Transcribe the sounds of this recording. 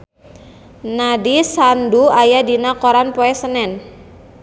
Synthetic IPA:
nadisanduajadinakoɾanpoɛsənɛn

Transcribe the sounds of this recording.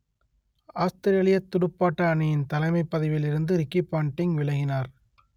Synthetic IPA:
aːst̪ɪɾɪjɐɭɪjɐt̪ːʊɽɯpːaːʈːɐɐɳɪjɪnt̪ɐlɐɪmɐɪpːɐðɪʋɪlɪɾɯnd̪ɯɾɪkːipːaːɳʈɪŋʋɪɭɐɪɣɪnaːɾ

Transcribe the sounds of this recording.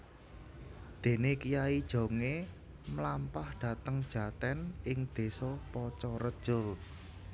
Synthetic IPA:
d̪̥e̤nekijaid̥ʒ̥o̤ŋe | mlampahd̪̥ä̤t̪əŋd̥ʒ̥a̤t̪ɛnɪŋd̪̥e̤sɔpɔt͡ʃɔɾə̥ʒ̥ʊl

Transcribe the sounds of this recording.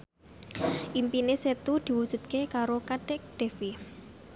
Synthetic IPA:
ʔimpineset̪ud̪̥i̤wud̥ʒ̥ṳt̪̚kekaɾokaɖ̥ɛk̚ɖ̪̥e̤fi

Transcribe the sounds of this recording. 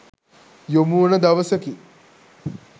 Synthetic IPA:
jomuːnɐd̪ɐʋɐsɐki

